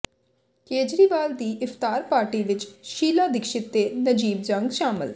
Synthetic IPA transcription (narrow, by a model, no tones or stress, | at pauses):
keːd͡ʒɾiːʋaːld̪iːʔɪft̪aːɾpaːɾʈiːʋɪt͡ʃʃiːlaːd̪ɪkʃɪt̪ːeːnəd͡ʒiːbd͡ʒə̃ŋɡʃaːmɪ̰l